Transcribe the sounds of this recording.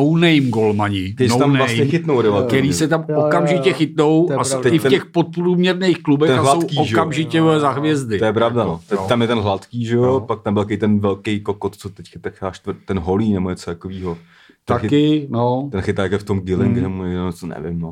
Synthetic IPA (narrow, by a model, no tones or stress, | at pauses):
ownejmɡolmaɲɪɪʃt̪amvlasɲɛxɪt̪nowdovɛlk̪ːɛɾiːsɛt̪amokamʒɪcɛxɪt̪no̞wast̪ɛɪfɛxpot̪̚pɾuːmɲɛɾnejxklubɛtɛxaɦlsaokiːoʒɛkamʒɪcɛzaɦvjɛzd̪ɪojɛpɾavdanot̪ɛt̪amjɛt̪ɛnɦlat̪kiːʒɛjopak̚t̪ambɪlkejt̪ɛnvɛlkejkokot̪t͡sot̪ɛckat̪ɛkaːʃt̪vt̪ɛnɦoliːnɛboɲɛt͡sot̪akoviːɦo | t̪axkɪnot̪ɛnxɪt̪aːjakɛft̪omɡɪlɪŋɡnɛmoot͡sonɛ̰vɪ̰mno